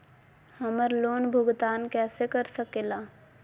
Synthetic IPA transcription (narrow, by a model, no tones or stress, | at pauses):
hɐməɾloːnbʱʊɡt̪aːnkɛːsekəɾsəkeːlaː